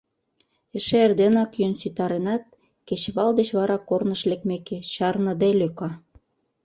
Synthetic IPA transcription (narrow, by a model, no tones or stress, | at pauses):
ĕʃeerd̪enɑkjønsyt̪ɑɾenɑt̪̚ | ket͡ɕβɑld̪eɕβɑɾɑkornə̆ʃlekmeket͡ɕɑrnɤ̆d̪eløkɑ